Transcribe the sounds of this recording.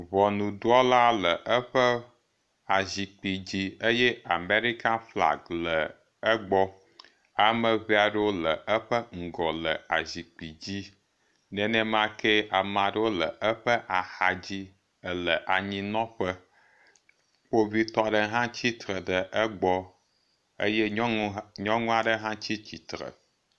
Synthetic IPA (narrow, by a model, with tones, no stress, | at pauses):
βɔ˨nũ˨ɖu˦ɔ˦la˦lə˨ʔə˦ɸə˦ | a˨zi˨k͡pi˨d͡ʑi˦ə˦je˦a˨me˦ɾi˦ka˦fla̰˨ɡlə˨ | ə˦ɡ͡bɔ˦ | a˨mə˨βi˦a˨ɖə˦wo˦lə˨ə˦ɸə˦ŋ̩˨ɡɔ˨lə˨a˨zi˨k͡pi˨d͡ʑi˦ | nɛ̃˨nɛ̃˦m˦ã˦ke˦a˨mã˨ɖə˦wo˦lə˨ʔə˦ɸə˦ʔa˨ha˨d͡ʑi˦ | ə˨lə˨ʔa˨ɲĩ˦nɔ̃˦ɸə˦ | k͡po˦vi˦t̪ɔ˦ɖə˦ɦã˦t͡ɕi˦t̪ɾə˨ɖə˨ʔə˦ɡ͡bɔ˦ | ə̰˦je˦ɲɔ̃˦ŋũ˦a˨ɖə˦ɦã˦t͡ɕi˦t͡ɕi˨t̪ɾə̰˨